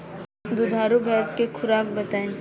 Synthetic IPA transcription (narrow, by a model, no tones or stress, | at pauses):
d̪ʊd̪ʱaːɾubʱɛːd͡ʒkekʰʊɾaːk̚bɐt̪aːẽ